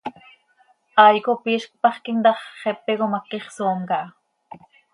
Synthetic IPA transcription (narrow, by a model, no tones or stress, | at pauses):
ʔɑjkopiʃkpɑχkind̪ɑχχepeɣomakiχsoːmkɑ